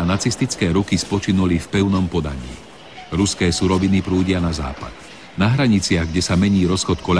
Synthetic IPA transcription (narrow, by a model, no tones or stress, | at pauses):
nat͡sist̪it͡skɛːɾukispɔt͡ʃinulifpɛʊnɔmpɔd̪a̰ɲḭː | ɾuskɛːsuɾɔʋinipɾuːɟɪanaza̰ːpa̰t̪ | naɦɾaɲit͡sɪaɣɡɟɛsamɛɲiːɾɔsxɔt̪kɔʎ